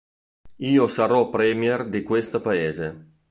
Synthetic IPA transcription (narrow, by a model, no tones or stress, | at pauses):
iːosaɾɔpɾemjerd̪ikwest̪apaeːze